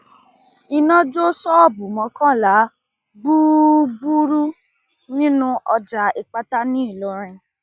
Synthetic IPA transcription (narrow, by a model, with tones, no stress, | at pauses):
i˧nã˦d͡ʒo˦sɔ˦ɔ˦˨bu˨mɔ̃˨˧kã˦˨la˨˦ | bu˦bu˦ɾu˦ | nĩ˦nũ˦ʔɔ˧d͡ʒa˧˨i˨k͡pa˧ta˦nĩ˦i˦˨lo˨˦ɾ̃ĩ˧